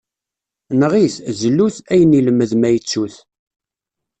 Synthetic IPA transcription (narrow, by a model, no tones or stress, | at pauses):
nəʁiθzəlːuθæjəniləmːəðmæjət͡sːuθ